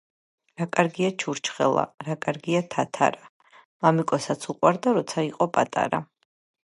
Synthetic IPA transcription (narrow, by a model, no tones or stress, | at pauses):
ɾakʼaɾɡiat͡ʃʰuɾt͡ʃʰχɛ̰lˠa̰ɾakʼaɾɡiat̪ʰat̪ʰa̰ɾa | mamikʼɔsat̪sʰuqʼwaɾd̪aɾɔt̪sʰaiqʼɔpʼa̰t̪ʼa̰ɾa̰